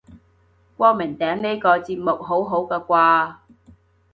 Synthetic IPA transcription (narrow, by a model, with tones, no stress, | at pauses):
kʷɔː˥mɪ˨˩ŋt̪ɛː˨˥ŋne˥kɔː˧t͡siː˧p̚mʊ˨k̚ɦo˨˥wɦo˨˥wkɛː˧kʷaː˧